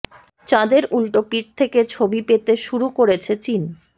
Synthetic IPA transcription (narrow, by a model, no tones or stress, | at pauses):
t͡ɕãd̪eɾulʈopiʈ̚t̪ʰeket͡ɕʰobipet̪eʃuɾukoɾet͡ɕʰet͡ɕin